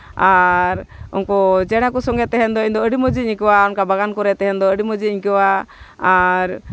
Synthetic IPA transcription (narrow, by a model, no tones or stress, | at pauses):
aɾṵnkɔd͡ʒɛɽ̃akusɔŋɡɛt̪ɛɦɛnd̪ɔiɲd̪ɔəɖiməd͡ʒiɲkəwaɔnkabaɡankɔɾɛt̪ɛɦɛnd̪ɔəɖiməd͡ʒiiɲkəwa | aɾ